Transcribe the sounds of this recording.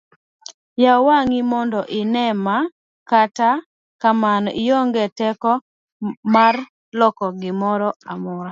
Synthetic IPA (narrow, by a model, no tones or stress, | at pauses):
jawaŋimɔndɔʔɪnɛma | kata | kamanɔʔɪjoŋɡɛtɛkɔ | mar | lɔkɔɡɪmɔɾɔamɔa